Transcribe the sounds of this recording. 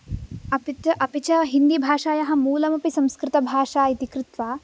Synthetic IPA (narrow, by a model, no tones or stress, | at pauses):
ɐpit̪ɐʔɐpit͡ʃɐɦind̪ibʱaːʃaːjɐɦɐ̆muːlɐmɐpisɐmskɾɪt̪ɐbʱaːʂaːit̪ikɾɪt̪ʋaː